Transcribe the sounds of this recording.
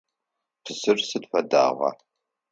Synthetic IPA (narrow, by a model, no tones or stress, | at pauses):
pʰɨzɨrsɨdfɐda̰ːʁɐ̰